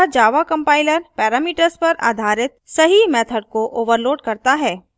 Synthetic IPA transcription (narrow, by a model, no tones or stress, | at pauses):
ad͡ʒaːʋakɐ̃mpaːɪləɾpɛːɾaːmiːʈəɾspɐɾa̰ːd̪ʱaːɾɪt̪̚sɐɦimɛːt̪ʰəɖ̚koʔoːʋəɾloːɖkɐɾt̪aɦɛː